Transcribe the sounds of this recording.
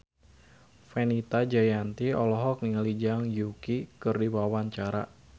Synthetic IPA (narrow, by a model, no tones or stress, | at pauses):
fɛnit̪ad͡ʒajant̪iɔlɔɦɔk̚niŋalid͡ʒaŋjukikɨrdiwawaɲt͡ʃaɾa̰